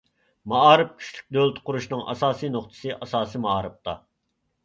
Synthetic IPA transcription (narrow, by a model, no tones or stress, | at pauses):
mɑɑːɾɨp̚kʲʰy̥ʃly̥k̚ʲd̪ølˠt̪qʊɾuʃnɨŋʔɑ̰sɑːsinoχt̪ʰɨ̥sɨʔɑsɑːsimɑɑːɾɨp̚t̪ʰɑ̰